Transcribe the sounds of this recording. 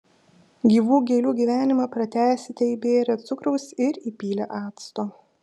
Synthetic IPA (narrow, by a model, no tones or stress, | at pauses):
ɡʲiːʋuːɡʲɛːlʲuːɡʲiːʋʲæːnʲɪmɐpɾɐt̪ʲæːsʲɪt̪ʲɛibʲeːɾʲɛt̪sʊkɾɒʊsɪɾiːpʲiːlʲɛʔɑːt̪st̪oː